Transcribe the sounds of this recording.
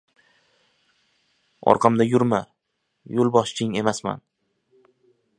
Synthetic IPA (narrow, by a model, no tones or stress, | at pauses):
ɒ̰ɾqʰɑmd̪ajʊɾma | jolˠbɒʃt͡ʃʰɪŋe̞masma̰n